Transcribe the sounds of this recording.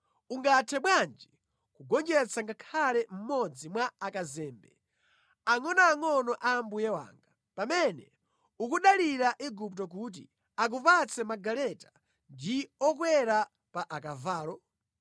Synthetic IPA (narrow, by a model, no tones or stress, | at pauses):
uŋɡatʰɛɓwand͡ʒi | kuɡɔnd͡ʒɛt͡saŋɡakʰalɛm̩mɔd͡zimwaakazɛːmbɛ̰ | aŋɔnaːŋɔnɔʔambujɛwa̰ːŋɡa | pamɛnɛ̰ | ukuɗaliɾaʔiɡuptɔkut̬ḭ | ak̬upat͡sɛmaɡalɛtḁ | ndiɔk̬wɛɾa | paʔakavaːlɔ